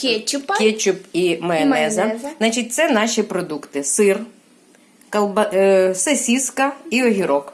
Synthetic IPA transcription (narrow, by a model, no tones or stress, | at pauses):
kʲt͡ʃkʲet͡ʃʲʊpimeɛnɛzɐnɑt͡ʃit̚ʲt̪sɛnɑʃʲipɾɔd̪ukt̪ɪsɪr | kɐlˠbɐsesʲiskɐiɔɦʲiɾɔk